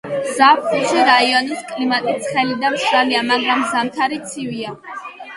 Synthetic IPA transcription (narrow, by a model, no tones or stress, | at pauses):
zapʰχuʃiɾaiɔniskʼlimat̪ʼit̪sʰχɛlid̪amʃɾaliamaɡɾamzamt̪ʰaɾit̪sʰivia